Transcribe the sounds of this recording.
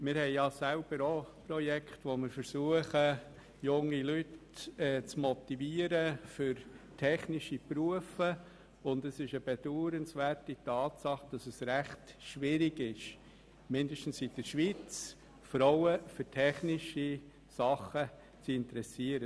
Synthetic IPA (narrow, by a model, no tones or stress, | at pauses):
mɪɾhɛɪjɑsæʊb̥əɾopɾɔjɛkχtʋomɪɾfəɾsuəχə | jʊŋilyt | ɛːt͡smɔt̪iviːəɾəfʏɾtʰɛχnɪʃipɾuəfə | ʊndɛsɪʃəb̥ɛd̥uːɾənsvætitɑːtsɑχd̥ɑsɛsɾæχtʃʋɪɾɪɡɪʃ | mɪndəʃtn̩sid̥əɾʃʋit͡s | fɾɔʊəfʏɾtʰɛχnɪʃi | sɑχə | t͡sɪntəɾɛsiəɾə